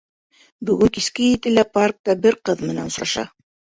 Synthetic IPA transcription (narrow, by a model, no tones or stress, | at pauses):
bɵ̆ɡɵŋkiskɘjɘ̆t̪ɘlæpark̚t̪ɑbɘɾqɤðmɘ̆næ̰nŏsɾɑʃɑ̰